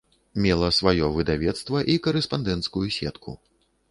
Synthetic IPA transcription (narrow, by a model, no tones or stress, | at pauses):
mʲɛlˠɐsvajɔvɨd̪avʲɛt̪st̪vɐʔikɐɾɛspand̪ɛnt̪skujusʲɛ̰t̪kʰṵ